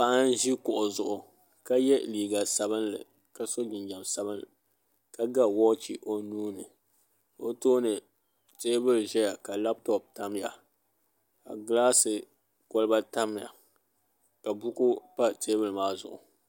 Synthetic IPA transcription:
pa˦ʔa˦n˦ʒi˦kʊ˨ʔʊ˨zʊ˨ʔʊ˨ | ka˦jɛ˦liː˨ɡa˨sa˨bɨ˦nlɨ̰˨ | ka˦so˦d͡ʒɪ˨nd͡ʒa˨msa˦bɨ˦n | ka˦ɡa˦wɔ˦t͡ʃi˨ʔo˦nuː˦nɨ˨ | o˦toː˦nɨ˨ | teː˦bɨ˦lʒɛ˦ja˨ka˨la˦p̚tɔ˨p̚ta˦m˦ja̰˨ | ka̰˨ɡlaː˦sɨ˨ | kɔ˦lɨ˦ba˦ta˦m˦ja̰˨ | ka˨bu˦ku˦pa˦teː˦bɨ˨lmaː˦zʊ̰˨ʔʊ̰˨

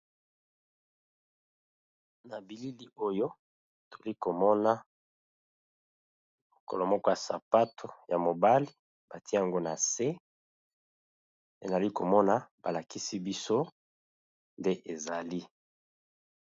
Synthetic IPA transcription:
na˨bi˨li˦li˦o˦jo˦˨ | tʰo˨li˦ko˨mɔ˦na˦ | mo˨ko̰˨lo˨mɔ˦kɔ˦ja˨sa˨pa˦tʰo˨ja˨mo˨ba˦li˦ | b̥a˨ti˦a˨ŋɡo˦na˨se˦ | e˨za˨li˦ko˨mɔ˦na˦ba˨la˨ki˦si˦bi˦so˦ | nde˦ʔe˨za˨li˦

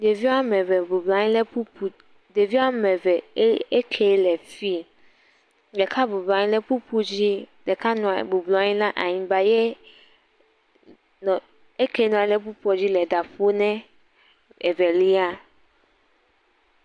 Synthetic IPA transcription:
de˨vi˦a˦mɛ̃˨vɛ˨bu˨bla˨˦ɲĩ˦lɛ˦pu˦pu˨ | de˨vi˦a˦mɛ̃˨vɛ˨˦e˦kʰe˨˦lɛ˨fi˦ | ɖɛ˨kʰa˦bu˨bla˨ɲĩ˦le˦pu˦pu˦d͡ʑi˦ | dɛ˨ka˦nũ˨a˨bu˨blɔ˨a˦ɲĩ˦lã˦ʔa˨ɲĩ˨ba˨je˦ | nɔ̃˨ | e˦ke˨˦nũ˨a˨˦le˦p̬u˦pu˦ɔ˨d͡ʑi˦lɛ˨da˨ɸo˦nɛ̃˦ | e˨vɛ˨li˦a˦

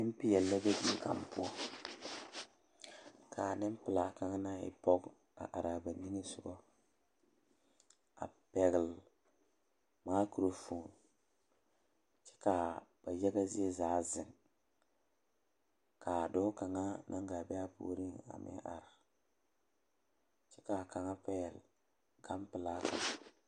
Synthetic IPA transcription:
nɪ˦m˦pɪ˦jɛ˨lːa˦be˦di˦ka̰˨m˨pu˦ɔ˦˨ | kʰa˨nɪ˦m˦pɪ˨la˨ka˦ŋ˦na˦ɪ̰˨pɔ˦ɡ | a̰˨ʔa˨ɾa˨ba˨ni˦ŋi˦sʊ˦ɡɔ˦ | a̰˨pɛ˨ɣɪ˨l | maː˦ku˨ɾo˦foː˨n | t͡ʃɛ̥˦ka˨b̥a˨jɛ˦ɡa˦zi˦e˦zaː˦˨zɪ˨ŋ | kʰa˨do˦ka˨ŋa˦nʔa̰˦ŋɡa˨bɛ˦a˦po̰ː˨˦ɾi˦ŋa̰˨mʔɪ̰˦ʔa̰˨ɾa˨ | t͡ʃɛ˦ka˨ka˨ŋa˦pɛ˦jɛ˨l | ɡ̥a˦mpɪ˨la˦ka˨ŋa˦

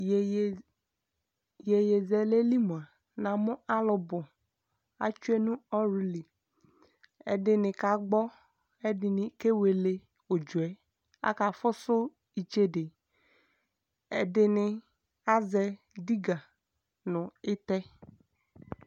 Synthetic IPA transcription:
je˨je˨zɛ˨le˦li˦mõ˨a˨ | nã˨mʊ̃˦a˦lʊ˨bʊ˨ | a̰˦t͡ʃu˦e˦nũ˦ɔ˦ɾu˦li˨ | ɛ̰˨dɪ˨nɪ̃˨ka˨ɡ͡bɔ˦ | ɛ˦dɪ˨nɪ̃˨ke˦we˨le˨ | o˨d͡ʒu˨ɛ˨ | a̰˦ka˨fʊ˦sʊ˦ | i˨t͡ʃe˦de˨ | ɛ̰˨dɪ˨nɪ˨ | a˦zɛ˨ | di˦ɡa˨ | nʊ̃˨ɪ˦t̪ɛ˦

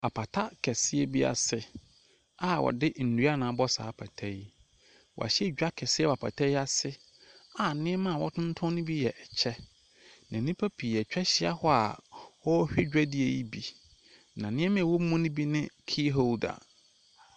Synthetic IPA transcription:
a˨pʰa˨tʰa˦kʰɛ˨sɪ˦e˦bi˦a̰˨sɪ˨ | a˨wʔɔ̰˨dɪ˦n̩˨du˨˦a˦nãː˨˦bɔ˦sa̰ː˨˦pʰa˨tʰɛ˦i˦ | wɔ̰˨a̰˨ɕɛ˦˨d͡ʑᶣa˦kʰɛ˨sɪ˦ɛ˦wa˨pʰa̰˨tʰɛ˦ja˨sɪ˦ | a˨nɪ̃˦ɛ˦mã˦˨wɔ˦tʰʊ̃˦n̩˦tʰʊ̃˦nɪ̃˦bi˦jɛ˨ʔɛ˨t͡ɕʰɛ˦ | nã˨nĩ˦pʰæ˦pʰi˨ɛ˨t͡ɕᶣɛ˦ɕɪ˦a̰˦hɔ˦a̰˨wɔ˦hᶣɪ˦d͡ʑᶣɛ˦di˦e˨ji˦bi˨ | nã˨nɪ̃˦ɛ˦mɪ̃˦˨wɔ˦mũ˦nɪ̃˦bi˦nɪ̃˦kʰi˦ɦo˦˨da̰˨

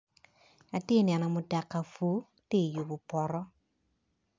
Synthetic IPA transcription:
a˨tɪ˦njɛ˨nɔ˨mʊ˨ta˨kːa˨fo˨˦ | te˦˨jo˨bʊ˨pɔ˨ɾɔ˦

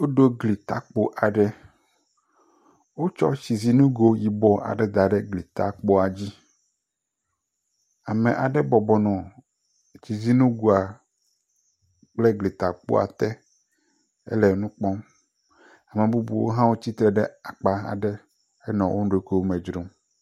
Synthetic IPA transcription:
wo˦ɖo˦ɡli˨t̪a̰˨k͡po˦ʔa˨ɖɛ˦ | wo˦t͡ʃɔ̰˦t͡ɕi˨zi˦nũ˦ɡo˨ji˨bɔ˦a̰˨ɖɛ˦d̪a˨ɖɛ˦ɡli˨t̪a̰˨k͡po˦a˨d͡ʑi˦ | a˨mɛ̃˨ʔa˨ɖɛ˦bɔ˨bɔ˨nɔ̃˨ | t͡ɕi˨zi˦nũ˦ɡu˨a˨ | k͡plɛ˦ɡli˨t̪a˨k͡po̰˦a̰˨t̪ɛ˦ | ɛ̰˦lɛ˨nũ˦k͡pɔ˦m | a˨mẽ˨bu˦bṵ˨wo̰˦ɦã˦wo˦t͡ɕi˦t̪ɾɛ˨ɖɛ˦a˨k͡pa˦a̰˨ɖɛ˦ | ɛ˦nɔ̃˨wʔo˦ɖo˦ke˦wmɛ̃˨d͡ʒɾo˦m

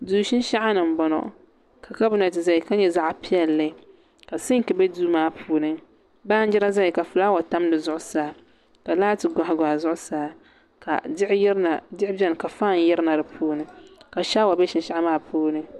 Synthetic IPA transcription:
duː˨˦ʃɪ˦n˦ʃa˦ʔa˦nɨ˨m̩˨bɔ˨nɔ̰˨ | kʰa˨ka˦bʊ˦na˨tɨ˨za˦i˨ka˦ɲɛ˦za˦ʔa˨pi˦ɛ˨lːɨ˦ | ka˨sɨ˦ŋ˦kɨ˨bɛ˦duː˦maː˦pʰuː˦nɨ˦ | baː˦n˦d͡ʒɪ˦ɾa˦za˦ji˨ka˨fu˨la˦wa˨ta˦m˦dɨ˨zʊ˦ʔʊ˦saː˦ | ka˨laː˦tɨ˨ɡʷa˨ha˨ɡʷa˨zʊ˦ʔʊ˦saː˨˦ | ka̰˨˦a˨dɪ˦ʔɪ˦bɛ˦˨n˨ka˨faː˦˨n˦jɛ˦ɾna˨ɾɨ˨pʰuː˦nɨ˨ka˨ʃa˦wa˨bɛ˦ʃɪ˦n˦ʃa˦ʔa˦maː˦pʰuː˦nɨ˦

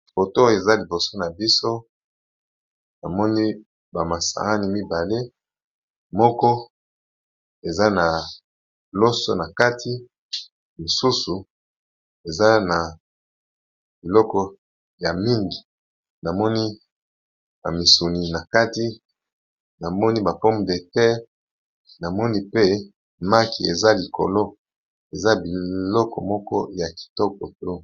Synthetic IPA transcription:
fo˨to˦e˨za˦li˨bo˨so˦na˨bi˦so˦ | na˨mɔ˦ni˦ | ba˨ma˨sa̰˨ŋa˦ni˦mi˦ba˨le˦ | mɔ˦kɔ˦ | e˨za˦na˨ | lo˦so˦na˨ka˦tʰi˦ | mo˨su˦su˨ | e˨za˦na˨ | b̥i˨lɔ˦kɔ˦ | ja˨mi˦ŋɡi˨ | na˨mɔ˦ni˦ | ba˨mi˨su˨ni˨na˨ka˦ti˦ | na˨mɔ˦ni˦ba˨po˦m˨de˨tɛ˦ | na˨mɔ˦ni˦pe˦ | ma˦ki˨ḛ˨za˦li˨ko̰˨lo˦ | e˨za˦bi˨lɔ˦kɔ˨mɔ˦kɔ˦ja˨ki̥˨tɔ˦ko˨to˦

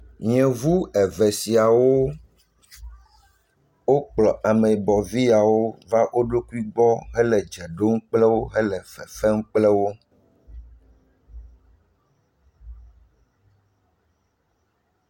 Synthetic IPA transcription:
ɲɛ̃˨vu˦ɛ˨vɛ˨si˨a˨wo˦ | wo˦k͡plɔ˨ʔa˨mɛ˨bɔ˨vi˦a˨wo˦va˦ʔo˦ɖo˦ku˦i˦ɡ͡bɔ˦ɦɛ˦lɛ˨d͡ʒɛ˨ɖo˦ŋ̩˦k͡plɛ˦wo˦ɦɛ˦lɛ˨fɛ˨fɛ˦ŋ̩˦k͡plɛ˦wo˦

